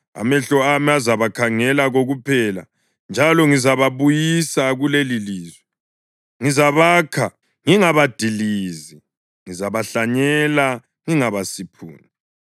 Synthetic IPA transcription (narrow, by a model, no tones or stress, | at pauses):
a̰mɛɬɔamiazaβakʰaŋɛlaɣoɣupʰɛla̰ | nd͡ʒʱalɔŋizaβaβujisaɣuleliliːzwɛ | ŋizaβaːkʰa | ŋiŋaβad̥ʱiliːzi | ŋizaβaɬaɲɛla | ŋiŋaβasipʰṵːni